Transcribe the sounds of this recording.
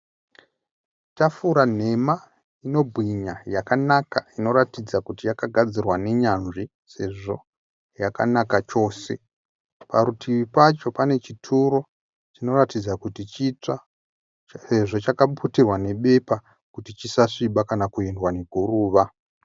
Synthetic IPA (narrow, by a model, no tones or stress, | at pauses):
t͡ʃafuɾan̤e̞ma | ino̞bʱwiɲajakanakaino̞ɾatid͡zakutijakaɡʱad͡zirwane̞ɲanʐi | se̞ʐo̞ | jaka̰nakat͡ʃo̞ːse̞̰ | paɾutʰiʋipat͡ʃo̞pane̞t͡ʃitʰuɾo̞ | t͡ʃino̞ratid͡zakutit͡ʃia | seʐo̞t͡ʃakapʰutirwane̞ɓe̞pa | kutit͡ʃisaʂiɓakanakuindwane̞ɡʱuruːʋa